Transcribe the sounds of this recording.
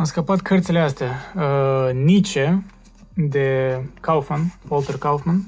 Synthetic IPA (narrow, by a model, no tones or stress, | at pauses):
amskəpat̪kʰərt̪sileast̪ea | nit͡ʃe | d̪ekawfmanvolt̪erkawfman